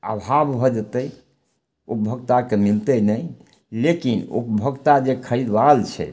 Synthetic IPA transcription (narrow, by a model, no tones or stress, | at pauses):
ə̰bʱabbʱɔd͡ʒət̪əj | ṵpəbʱəɡt̪akemilt̪ənəj | lekinṵpəbʱəɡt̪ad͡ʒekʰəɾid̪ʋalt͡ʃʰɛ̰